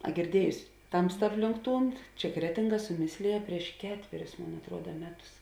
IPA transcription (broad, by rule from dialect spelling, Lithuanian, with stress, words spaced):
ɐ ɡʲɪrʲˈdʲiɛjʊsʲɪ ˈtɐmstɐ ˈɑːpʲlʲɪŋk ˈtuːn ˈt͡ʃʲɛ ˈkrʲæːtʲɪŋˌɡɐ sʊˈmʲɪsʲlʲeːjɛ pʲrʲiɛʃ ˈkʲæːtʲʋʲɛrʲʊs ˈmoːn ɐtˈruɔdɐ ˈmʲæːˌtʊs